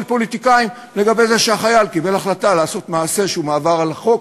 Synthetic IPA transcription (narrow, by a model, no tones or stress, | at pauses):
lpo̞lit̪ikaim | le̞ɡabe̞jze̞ʃeaχajalkibe̞laχlat̪alaːso̞t̪maːse̞ʃeumaːvaʁalaχo̞k